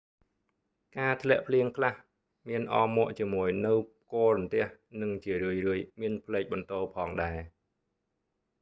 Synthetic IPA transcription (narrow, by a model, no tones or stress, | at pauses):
kaːt̪ʰlɛ̆əʔpʰliəŋkʰlah | miənʔɑːmɔ̆əʔt͡ɕiəmuəjnɨw | kŏəɾɔmt̪ɛ̆əhnɨŋt͡ɕiəɾɨəjrɨəjmiənpʰlɛːk̚ɓɑnt̪oːpʰɑːŋɗaɛ